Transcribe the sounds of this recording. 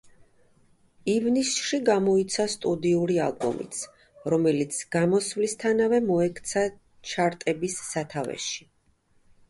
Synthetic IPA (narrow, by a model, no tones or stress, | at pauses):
ivnisʃiɡamɔit̪sʰast̪ʼud̪iuɾia̰lˠbɔ̰mḭt̪s | ɾɔmɛlit̪sʰɡ̥amɔsvlist̪ʰanavɛmɔɛkʰt̪sʰa | t͡ʃʰaɾt̪ʼɛbisːat̪ʰavɛ̰ʃi̥